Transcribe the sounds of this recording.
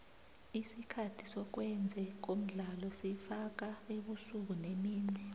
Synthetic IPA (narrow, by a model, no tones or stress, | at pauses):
isikʰatʰisɔk̬wɛnd͡zʱɛk̬om̩ɮalɔsifak̬aeɓusuk̬unemiːnɛ